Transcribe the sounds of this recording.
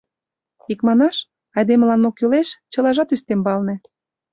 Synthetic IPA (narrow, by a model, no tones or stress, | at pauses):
ikmɑnɑʃ | ɑjd̪emlɑnokyleʃt͡ɕɤ̆lɑʒɑt̪yst̪embɑlnĕ